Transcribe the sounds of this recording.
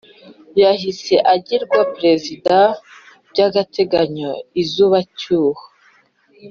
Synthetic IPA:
jaɦise̞ʔaɟiɾɡwapɾe̞zida | bɟaɡatʰe̞ɡaɲoizuːβacuːho̥

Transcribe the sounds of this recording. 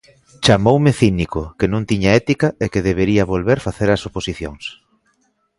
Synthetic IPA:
t͡ʃamowmɪθinikʊkenũŋt̪iɲaɛt̪ikɐekeðeβ̞eɾiɐβolβeɾfaθeɾɐsoposiθjo̰ŋs

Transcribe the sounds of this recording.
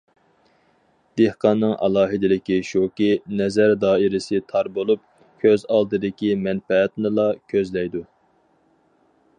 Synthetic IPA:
d̪̥ehqʰɑnːɨŋʔɑ̰lˠɑːɦɨd̪ɪlɪkʲiʃokʲinɛzæɾd̪ɑːiɾɪsɪt̪ʰɑɾbolˠup̚ | kʲʰøzɑlˠd̪ɨd̪ɪkʲimɛnfɛːt̪nɨlˠɑkʲʰøzlɛjd̪u

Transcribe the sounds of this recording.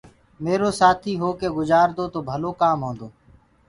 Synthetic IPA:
meːɾoːsaːt̪ʰiːɦoːkeːɡʊzaːɾd̪oːt̪oːbʱəloːkaːmɦõːnd̪oː

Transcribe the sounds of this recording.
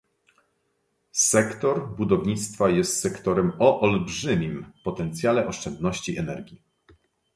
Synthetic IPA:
sɛkt̪ɔɾbud̪ɔvɲit̪st̪fajɛst̪sɛkt̪ɔɾɛmɔʔɔlbʐɘmʲimpɔt̪ɛnt̪sʲjalɛʔɔʂt͡ʂɛnd̪nɔɕt͡ɕiʔɛnɛɾɡʲi

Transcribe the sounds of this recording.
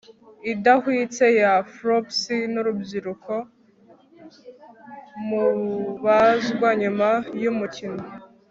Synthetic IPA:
idahwiːt͡se̞jafɾopsinuɾubziɾukʰo̞ | muβazɡwaɲumajumucino

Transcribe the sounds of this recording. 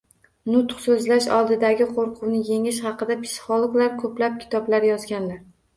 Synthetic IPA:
nʊt̪qsɵzlaʃɒ̰lˠd̪ɪd̪aɡʲɪqʰoɾqʰʊwnɪje̞ŋɪʃχɑqɨd̪apʰɪ̥sɪ̥χolˠoɡlaɾkʰɵplap̚kʲʰɪ̥t̪ʰɒblaɾjɒzɡʲanlaɾ

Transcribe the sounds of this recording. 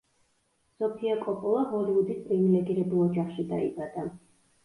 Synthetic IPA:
sɔpʰiakʼɔpʼɔlˠaɦɔliwud̪ispʼɾivilɛɡiɾɛbulˠɔd͡ʒaχʃid̪a̰ḭbad̪̥a

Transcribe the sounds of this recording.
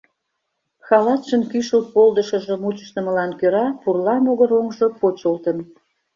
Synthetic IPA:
xɑlɑt̪ʃənkyʃəlt̪̚pold̪əʃə̆ʒə̆mut͡ɕə̥ʃt̪ə̆mə̆lɑnkøɾɑpurlɑnoɣəɾoŋʒopot͡ɕolt̪ən

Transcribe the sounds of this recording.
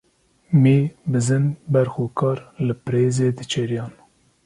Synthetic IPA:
meːbɨzɨnbɛɾxoːkʰɑːɾlɨpɨɾeːzeːd̪ɨt͡ʃʰɛɾjɑːn

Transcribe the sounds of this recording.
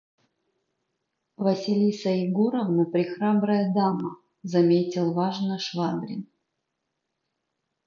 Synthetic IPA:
vɐsʲɪlʲisɐɪɡoɾəvnɨpɾʲɪxɾabɾəjəd̪amə | zɐmʲetʲɪlˠvaʐnəʂvabɾʲɪ̰n

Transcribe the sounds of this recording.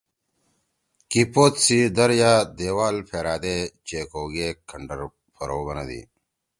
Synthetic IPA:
kipoːt̪sid̪ɐɾjad̪eːwaːlpʰeːɾaːd̪et͡ɕeːkoːɡekʰɐɳɖɐɾ | fʰɐɾoːbɐnɐ̰d̪ḭ

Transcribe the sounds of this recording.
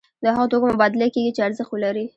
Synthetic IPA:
d̪əhaɣat̪okamʊbɑd̪ɪlakeɡit͡ʃeaɾzəxt̪wəlaɾi

